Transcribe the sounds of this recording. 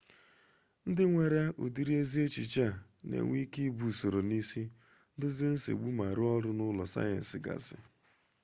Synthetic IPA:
n̩˦dɪ˦ŋʷe˨ɾa˦ṵ˨di˨ɾi˦e˦zi˦e˦t͡ʃi˨t͡ʃa˦˨ | nḛ˨ŋʷi˦ki˦bu˨so˨ɾo˨ni˦si˦ | dɪ˦zɪ˦n̩˦sḭ˨ɡ͡bu˦ma˨ɾʊ˦ɔ˦ɾʊ˦nʊ˦lɔ˨sa̰˦jɛ̰˨n̩˨sɪ˨ɡa̰˨sɪ̰˨

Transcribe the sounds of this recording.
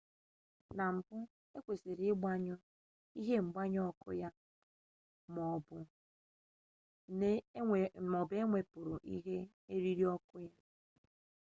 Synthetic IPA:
na˨m̩˨bʊ˦ | e˦kʷe˨se˨ɾɡ͡ba˦ɲʊ˦ | i˦ɦe˦ŋ͡m̩˨ɡ͡ba˦ɲ˦ɔ˦kʊ̰˦ja˦ | mɔ˨˦bʊ˦ | ne˦ | mɔ˨be˦ŋʷe˨pʊ˨ɾʊ˨ʔḭ˦ɦe˦ | e˦ɾi˦ɾi˦ɔ˦kʊ˦ja˦

